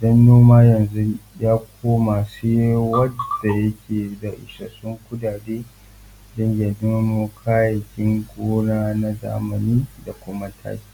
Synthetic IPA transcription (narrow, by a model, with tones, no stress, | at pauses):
dɔ˦nːoː˦maː˦jɐ˨nzu˦jaː˦kʷʰoː˦maː˨se˦wɐ˦da˨jɐ˦kʲʰeː˨da˨ʔɪ̰˨ʃa̰˨sʊ˦ŋkʷʊ˦daː˨deː˦ | dɔ˦ɲja˨dɪ˦moː˦kʰaː˦jɐ˨kʲɪ˦ŋɡʷoː˦naː˦na˦za̰ː˦mɐ˨niː˦da˨kʷʊ˦ma˦tʰa̰ː˦kʲi̥ː˦